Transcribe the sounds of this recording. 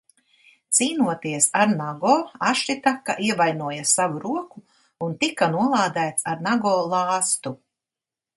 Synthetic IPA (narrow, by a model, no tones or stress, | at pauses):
t̪siːnuɔt̪iɛsaɾnaɡɔːaʃit̪akːa̰ʔiɛvajnuɔjasavuɾuɔku | unt̪ikanuɔlˠaːd̪æːt̪saɾnaɡɔːlˠɑːst̪u